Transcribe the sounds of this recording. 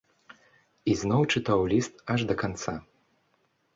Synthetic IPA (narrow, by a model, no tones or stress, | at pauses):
iznɔwt͡ʂɨt̪awlʲist̪ɐʐd̪ɐkant̪sa